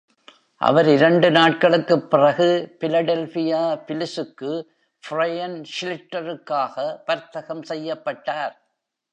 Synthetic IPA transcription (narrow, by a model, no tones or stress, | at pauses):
ʔɐ̰ʋɐɾɪɾɐɳɖɯnaːʈ̚kɐɭɯkːɯpːɪrɐɣɯfɪlɐɽɛlfɪjaːpɪlɪsɯkːɯ | fɪrɐjɐnʃɪlɪʈːɐɾɯkːaːɣɐpɐɾt̪ːɐɣɐmsɛjːɐpːɐʈːaːɾ